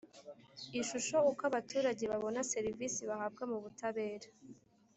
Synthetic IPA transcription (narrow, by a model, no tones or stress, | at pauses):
iʃuʃo̞ukaβatuːɾaɟe̞βaβo̞nase̞ɾivisiβahaːb̚ɡamuβutaβe̞ːɾḁ